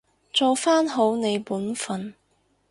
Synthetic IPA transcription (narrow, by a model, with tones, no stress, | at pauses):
t͡so˨˧wfaː˥nɦo˨˥wne˨˧jpuː˨˥nfɐ˨˩n